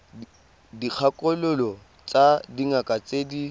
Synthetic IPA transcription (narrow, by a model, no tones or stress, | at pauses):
dik͡xʰakʼɔlʊlɔ | t͡sadiŋakʼat͡sʼeːdi